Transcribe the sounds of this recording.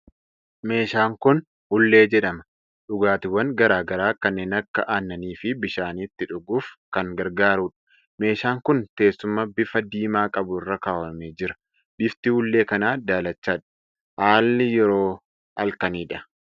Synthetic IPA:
me̞ːʃaːŋkʊn | hʊlːe̞ːd͡ʒɛᶑɐmɐ | ᶑʊɡaːt̪ɪwːɐŋɡɐɾaːɡɐɾaːkɐnːeːnɐkːɐʔaːnːɐniːfɪbɪʃaːniːt̪ːɪᶑʊɡuːfkɐŋɡɐɾɡaːɾuːᶑɐ̥ | me̞ːʃaːŋkʊnt̪e̞ːsːʊmːaːbɪfɐd̪iːmaːkʼɐbʊɪrːɐkaːwɐmeːd͡ʒɪɾɐ̥ | bɪft̪ɪhʊlːe̞ːkɐnaːd̪aːlɐt͡ʃːaːᶑɐ̥ | haːlːɪjɛɾo̞ː | ɐlkɐniːᶑɐ

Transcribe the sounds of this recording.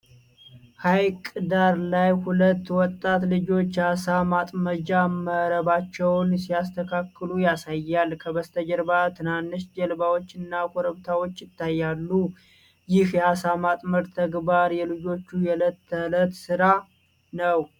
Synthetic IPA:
hajkʼɨd̪aɾlajhulət̪ːwɔt̪ʼːat̪lɨd͡ʒo̞t͡ʃːhasamat̪ʼməd͡ʒaməɾəβat͡ʃːɛwnsijast̪ʰəkʰakːɨlujasajːalkʰəbəst̪ʰəd͡ʒəɾbat̪ʰɨnanːɨʃd͡ʒɛlbawo̞t͡ʃːɨnːakʰoɾəβt̪ʰawo̞t͡ʃːjɪt̪ʰːajːalːu | jɪhjɛhasamat̪ʼməɾt̪ʰəɡbaɾjɛlɨd͡ʒo̞t͡ʃːujɛlət̪ːələt̪sɨɾa | nəw

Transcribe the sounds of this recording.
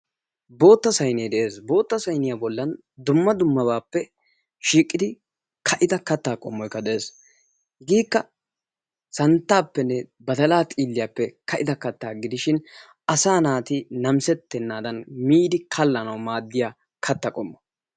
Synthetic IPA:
bo̞ːt̪ːɐsɐjneːd̪ɛʔe̞ːsbo̞ːt̪ːɐsɐjnɪjaːbɔlːɐn | d̪ʊmːɐd̪ʊmːɐbaːpːɛ | ʃiːkʼːɪd̪ɪ | kʰɐʔɪd̪ɐkɐt̪ːaːkʼɔmːɔjkːɐd̪ɛʔeːs | ɡiːkːɐ | sɐnt̪ːaːpːɛnːɛbɐt̪ɐlaːt̪ʼiːlːɪjaːpːɛkɐʔɪd̪ɐkɐt̪ːaːɡɪd̪ɪʃɪn | ɐsaːnaːt̪ɪnɐmsɛt̪ːɛnːaːd̪ɐnmiːd̪ɪkʰɐlːɐnɐwmaːd̪ːɪjaː | kʰɐt̪ːɐkʼɔmːɔ

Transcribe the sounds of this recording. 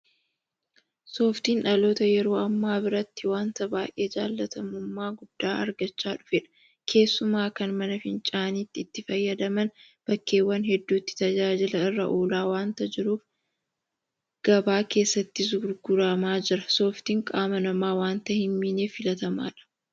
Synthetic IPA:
so̞ːft̪iːnᶑɐlo̞ːt̪ɐjɛɾo̞ːɐmːaːbɪɾɐt̪ːɪwaːnt̪ɐbaːjʔe̞ːd͡ʒaːlːɐt̪ɐmʊmːaːɡʊd̪̥ːaːʔɐ̰ɾɡɐt͡ʃːaːᶑʊfɛᶑɐ̥ | kʰe̞ːsːʊmaːkɐnmɐnɐfɪnt͡ʃʼaːniːt̪ːɪːt̪ːɪfɐjːɐd̪ɐmɐn | b̥ɐkːe̞ːwːɐnɦɛd̪ːuːt̪ːɪ̥t̪ɐd͡ʒaːd͡ʒɪlɐɪrːɐʔoːlaːwaːnt̪ɐd͡ʒɪɾuːf | ɡ̥ɐbaːke̞ːsːɐt̪ːɪs̬ɡʊɾɡʊɾamaːd͡ʒɪɾɐso̞ːft̪iːŋkʼaːmɐnɐmaːwaːnt̪ɐhɪmːiːneːfɪlɐt̪ɐma̰ːᶑɐ̥

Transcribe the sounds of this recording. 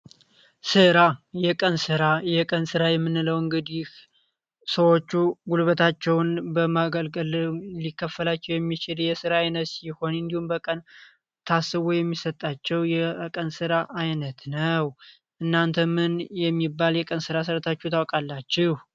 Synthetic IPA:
sɨɾajɛkʼənsɨɾajɛkʼənsɨɾajɛmːɨnːɨləwɨŋɡɨd̪ih | səwo̞t͡ʃːuɡulβət̪ʰat͡ʃːɛwnbəmaɡəlɡəllikʰːəfːəlat͡ʃːɛwjɛmːit͡ʃɪljɛsɨɾaːjnət̪siho̞nɨnd̪ihumbəkʼən | t̪ʰasːɨβujɛmːisət̪ʼːat͡ʃːɛwjɛkʼənsɨɾaʔajnət̪nəw | ʔɨnːant̪ʰəmɨnjɛmːibːaljɛkʼənsɨɾas̬ɨɾt̪ʰat͡ʃːut̪ʰawkʼalːat͡ʃːɪh

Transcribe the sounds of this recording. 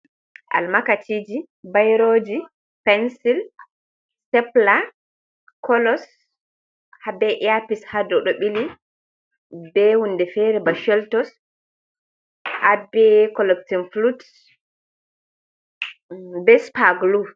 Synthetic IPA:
ʔa̰lmakatʰid͡ʒi | bajɾoːd͡ʒi | pɛnsil | sɛpla | kɔlɔs | habɛʔiapishadɔɗɔɓili | bɛhundɛfɛɾɛbaʃɛltɔs | abɛkɔlɛktinflut | bɛspaɡlu

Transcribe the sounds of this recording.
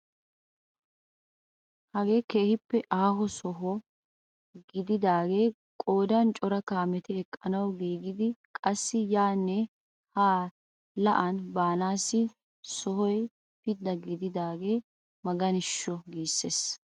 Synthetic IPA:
hɐɡe̞ːke̞ːhɪpːɛʔaːɦɔsɔɦɔ | ɡɪd̪ɪd̪aːɡe̞ː | kʼoːd̪ɐnt͡ʃʼɔɾɐkaːmɛt̪ɛɛkʼːɐnɐwɡiːɡɪd̪ɪkʼɐsːɪjaːnːɛ | haː | lɐʔɐnbaːnaːsːɪ | sɔhɔj | pɪd̪ːɐɡɪd̪ɪd̪aːɡe̞ː | mɐɡɐnɪʃːɔɡiːsːeːs

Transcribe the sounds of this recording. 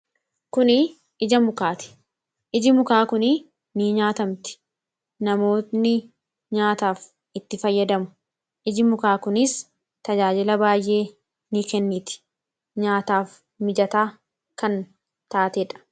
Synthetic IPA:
kʊnɪ | ɪd͡ʒɐmʊkaːt̪ɪ̥ | ʔɪd͡ʒɪmʊkaːkʊnɪ | niːɲaːt̪ɐmt̪ɪ̥ | nɐmo̞ːt̪nɪ | ɲaːt̪aːf | ɪt̪ːɪfɐjːɐd̪ɐmʊ̥ | ʔɪd͡ʒɪmʊkaːkʊnɪs | t̪ɐd͡ʒaːd͡ʒɪlɐbaːjʔe̞ː | nikɛnːiːt̪ɪ̥ | ɲaːt̪aːf | mɪd͡ʒɐt̪aː | kɐn | t̪aːt̪eːᶑɐ̥

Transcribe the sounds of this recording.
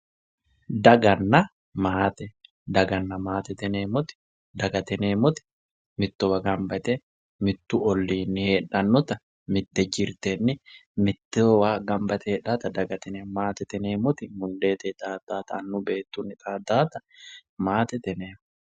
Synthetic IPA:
d̪ɐɡɐnːɐ | maːt̪ɛ | d̪ɐɡɐnːɐmaːt̪ɛt̪ɛneːmʊt̪ɪ̥ | d̪ɐɡɐt̪ɛneːmʊt̪ɪ̥ | mɪt̪ːɔwɐɡɐmbɐt̪ɛ | mɪt̪ːʊɔlːiːnːɪheːᶑɐnːʊt̪ɐ | mɪt̪ːɛd͡ʒɪɾt̪enːɪmɪt̪ːɛwaːɡɐmbɐt̪ɛeːᶑaːt̪ɐd̪ɐɡɐt̪ɛnemaːt̪ɛt̪ɛneːmʊt̪ɪmʊnd̪e̞ːt̪ɛt̪aːd̪̥aːt̪ɐːnːʊbe̞ːt̪ːunːɪt̪ʼaːd̪aːt̪ɐmaːt̪ɛt̪ɛneːmʊ

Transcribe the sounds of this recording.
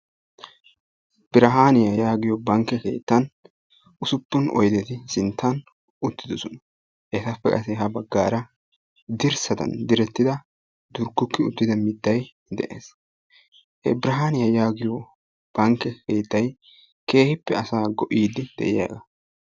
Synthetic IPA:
b̥ɪɾɐɦaːnɪjɐjaːɡɪjɔbɐŋkːɛke̞̰ːt̪ːɐn | ʔʊsʊpːʊnʔɔ̰jd̪ɛt̪ɪsɪnt̪ːɐn | ʔʊt̪ːɪd̪ɔsɔnɐ̥ | ʔɛt̪ɐpːɛkʼɐ̰sɛɦɐbɐɡːaːɾɐ | d̪ɪɾsɐd̪ɐ̰nd̪ɪɾɛt̪ːɪd̪ɐ | d̪ʊɾɡʊkːɪʊt̪ːɪd̪ɐmɪd̪ːɐj | d̪ɛʔḛːs | ʔɛ̰bɾɐɦaːnɪjɐjaːɡɪjo | b̥ɐŋkːɛkeːt̪ːɐj | ke̞ːhɪpːɛɐsaːɡɔʔiːd̪ɪd̪̥ɛ̰ʔɪja̰ːɡɐ

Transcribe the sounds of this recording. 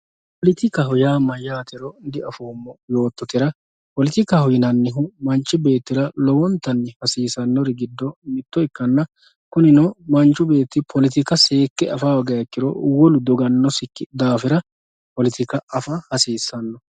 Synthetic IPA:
pɔlɪt̪ɪkɐɦɔjaːmɐjːaːt̪ɪɾɔd̪ɪɐfoːmːɔjo̞ːt̪ːɔt̪ɪɾɐ | pɔlɪt̪ɪkːɐhɔjɪnɐnːɪɦʊmɐnt͡ʃʼːɪbe̞ːt̪ːɪɾɐlɔwɔnt̪ːɐnːɪhɐsiːsɐnːɔɾɪɡɪd̪ːɔmɪt̪ːɔɪkːɐnːɐ | kʊnɪnɔmɐnt͡ʃʼːʊbe̞ːt̪ːɪpʰɔlɪt̪ɪkɐseːkːɛɐfaːwɐɡɐjɐkːɪɾɔ̰wɔlʊd̪ɔɡɐnːɔsɪkːɪd̪aːfɪɾɐ | pɔlɪt̪ɪkɐɐfahɐsiːsːɐnːɔ

